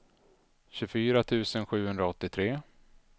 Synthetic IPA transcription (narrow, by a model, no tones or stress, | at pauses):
ɕɵfyːɾat̪ʰʉ̟ːsənɧʉ̟ːhɵnd̪ɾaɔt̪ːɪt̪ʰɾeː